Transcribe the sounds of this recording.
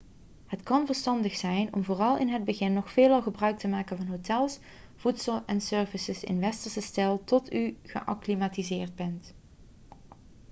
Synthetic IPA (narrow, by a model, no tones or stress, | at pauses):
hətkɑnvəɹstɑndəxsɛjnɔ̰mvoːrɑlˠɪnɦəd̚bəɣɪnːɔxfeːlˠɑlˠɣəbrœɥk̚təmaːkənvɑnɦotɛlˠs | v̥utsəlˠɛnsøːɹvəsəsɪ̰nʋɛstəɹsəstɛlˠtɔtyχə̰ʔɑ̰klimaːtizɪːɹd̚bɛnt